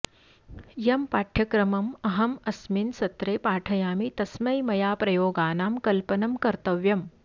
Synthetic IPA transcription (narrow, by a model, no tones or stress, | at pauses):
jɐmpaːʈʰjɐkɾɐmɐmɐɦɐmɐsminsɐt̪ɾeːpaːʈʰɐjaːmit̪ɐsmɐjmɐjaːpɾɐjoːɡaːnaːmkɐlpɐnɐmkɐɾt̪ɐʋjɐm